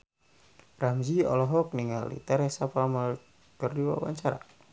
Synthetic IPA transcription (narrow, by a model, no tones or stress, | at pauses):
ramziɔ̰lɔɦɔk̚niŋa̰lḭt̪ɛɾɛsapamal | kərduwa̰wa̰ɲt͡ʃaɾa̰